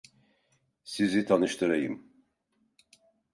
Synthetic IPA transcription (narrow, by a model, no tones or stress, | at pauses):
sizit̪ʰanɯʃt̪ʰɯɾajɯm